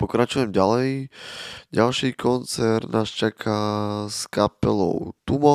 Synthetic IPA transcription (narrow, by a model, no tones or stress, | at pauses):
pɔkɾat͡ʃujɛmɟalɛj | ɟalʃiːkɔnt͡sɛɾt̪naːst͡ʃakʰaskapɛlɔ̰ʊt̪umɔ